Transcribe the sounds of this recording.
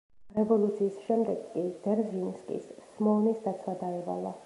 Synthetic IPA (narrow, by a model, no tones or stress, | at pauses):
ɾɛvɔlˠut̪sʰiːsʃɛmd̪ɛɡːid̪ɛɾzinskʼḭssmɔnisd̪at̪sʰwad̪aɛva̰la